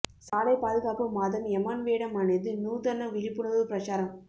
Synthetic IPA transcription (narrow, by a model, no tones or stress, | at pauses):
saːlɐɪpaːðɯɣaːpɯmaːðɐmɛmaːnʋeːɽɐmaːneðɯnuːðɐnɐʋɪɻɪpːɯɳɐʋɯpɾɐt͡ʃaːɾɐm